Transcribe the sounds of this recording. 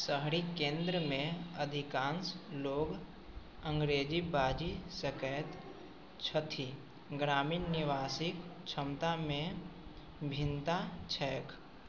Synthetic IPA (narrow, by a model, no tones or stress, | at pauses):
səɦɽikẽːnd̪ɾəmẽəd̪ʱɪkãːnsloːɡ | ə̃ŋɡɾeːd͡ʒibaːd͡ʒisəkɛːt̪ | t͡ʃʰət̪ʰi | ɡɾaːmiːnːɪʋaːsɪkt͡ʃʰəmt̪amẽ | bʱɪ̃nt̪at͡ʃʰɛːk